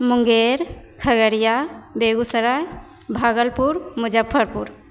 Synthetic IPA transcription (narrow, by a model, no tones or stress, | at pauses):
muŋɡeɾkʰəɡəɾijabeɡusəɾaj | bʱaɡəlpuɾmud͡ʒapʰːəɾpuɾ